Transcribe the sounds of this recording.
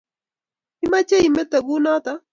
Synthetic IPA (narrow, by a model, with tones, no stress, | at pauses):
i˦ma˦t͡ʃe˦i˨mɛ˦t̪a˨ɡu˦na˦t̪a˦